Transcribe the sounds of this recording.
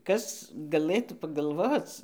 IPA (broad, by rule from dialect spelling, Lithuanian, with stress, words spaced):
ˈkɐs ɡɐˈlˠɘtuː pɐɡɐlˠˈʋoːt͡s